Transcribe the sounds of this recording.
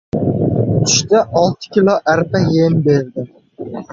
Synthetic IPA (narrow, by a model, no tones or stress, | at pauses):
t̪ʰʊ̥ʃt̪aʔɒlˠt̪ʰɪ̥kʲɪloʔaɾpajembeɾd̪ɪ